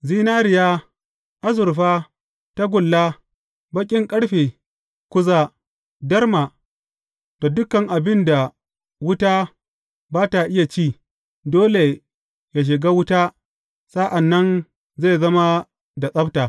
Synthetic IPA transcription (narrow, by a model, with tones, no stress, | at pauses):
ziː˦naː˦ɾɪ˨jaː˦ | ʔa˦zʊ˨ɾɸaː˦ | ta˦ɡʷʊ˨lːa˦ | bɐ˦kʲʼɪ˦ŋkʼɐ˦ɽɸeː˨ | kʷʊ˦zaː˦ | dɐ˦rma˨ | to˨dʊ˦kɐ˨ŋʔa˨bɪ˦nda˨ | wʊ˦taː˦ | baː˦ta˨ʔɪ˦ja˨t͡ʃiː˦˨ | doː˦le˨ | ja˨ʃ̬ɪ˨ɡaː˦wʊ˦ta˦ | sa˦ʔa˨nːɐ˦n | ze˦˨zɐ˦ma˦ | da˨sʼɐ˦btaː˨